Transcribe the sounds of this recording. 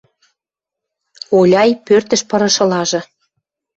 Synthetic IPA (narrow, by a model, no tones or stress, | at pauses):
olʲɑjpørt̪ə̆ʃpɤ̆ɾɤ̆ʃɤ̆lɑʒɤ̆